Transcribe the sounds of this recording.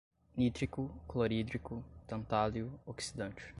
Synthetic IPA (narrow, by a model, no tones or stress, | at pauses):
nit̪ɾikʊkloɾid̪ɾikʊt̪ɐ̃nt̪aljʊoksid̪ɐ̃nt͡ʃɪ̥